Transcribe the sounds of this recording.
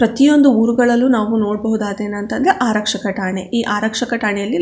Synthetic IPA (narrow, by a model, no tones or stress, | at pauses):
pɾɐt̪ijo̞nd̪uuːɾuɡɐɭɐlːunaːʋuno̞ːɽ̚bɐɦud̪aːd̪e̞ːnɐnt̪ɐnd̪ɾeʔaːɾɐkʂɐkɐʈaːɳeʔiːʔaːɾɐkʂɐkɐʈaːɳɛjɐlːi